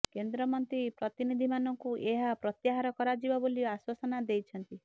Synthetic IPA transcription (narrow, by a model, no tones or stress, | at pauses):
kend̪ɾɔmɔnt̪ɾipɾɔt̪inid̪ʱimanɔŋkuʔeɦapɾɔt̪jaɦaɾɔkɔɾad͡ʒibaboliaswasɔnad̪ejt͡ʃʰɔnt̪i